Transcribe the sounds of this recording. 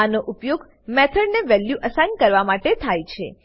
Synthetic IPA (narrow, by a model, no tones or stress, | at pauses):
anoʔʊpjoɡ | mɛt̪ʰəɖneʋɛljuʔəsajnkəɾʋamaʈet̪ʰajt͡ʃʰḛ